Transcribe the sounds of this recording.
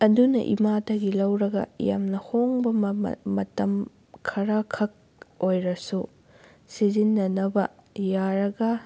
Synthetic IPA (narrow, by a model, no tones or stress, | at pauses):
ɐdunɐ̰ʔḭmatɐɡilɐwɾɐɡɐ̰ja̰mnɐhoŋbɐmɐ̰ːɐtɐm | kʰɐɾakʰɐk̚ | ojɾɐsu | sizinːɐnɐbɐjaɾɐɡɐ